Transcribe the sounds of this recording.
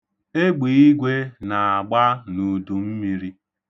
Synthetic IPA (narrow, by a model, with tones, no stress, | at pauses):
e˦ɡ͡bi˨˦i˦ɡʷe˦na˨a˨ɡ͡ba˦nu˨du˨m̩˦mi˦ɾi˦